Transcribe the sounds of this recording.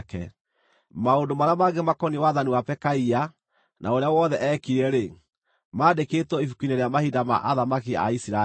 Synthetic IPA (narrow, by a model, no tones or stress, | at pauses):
kɛ̰ | maondomaɾeamaɡemakɔniwaðaniwapɛkaia | nʔaoɾeawɔðɛʔɛkiɾɛɾe | maːdeketwɔifukineɾeamahidama̰ʔaðamakia̰isiɾa